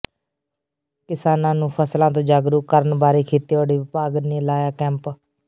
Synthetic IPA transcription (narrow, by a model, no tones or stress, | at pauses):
kɪsaːnãːnũːpʰəslãːt̪õːd͡ʒaːɡɾuːkəɾənbaːɾiːkʰiːt̪eːoːɽiːʋɪpaːɡniːlaːjaːkɛ̃ːmp